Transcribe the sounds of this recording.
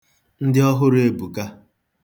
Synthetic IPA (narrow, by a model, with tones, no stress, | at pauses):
n̩˦dɪ˦ɔ˦ɦʊ˦ɾe˦bu˨ka˦